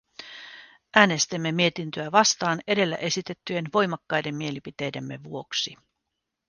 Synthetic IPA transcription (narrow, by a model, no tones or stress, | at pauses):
ʔæːne̞st̪imːemiet̪int̪øæʋɑst̪ɑːne̞de̞lːæ̰ʔe̞sit̪e̞t̪ːye̞nʋo̞jmɑkːɑjde̞mːie̞lipit̪e̞jde̞mːe̞ʋuo̞ksi